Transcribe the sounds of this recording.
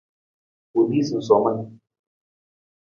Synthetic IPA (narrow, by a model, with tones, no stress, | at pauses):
u˨di˦si˨n̩˨sɔ˨mə˦n